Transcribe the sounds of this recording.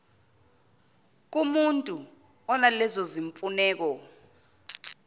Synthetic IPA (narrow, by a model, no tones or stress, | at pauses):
k̬umuntʼu | ɔnalɛzɔziɱpfʼunɛːk̬ɔ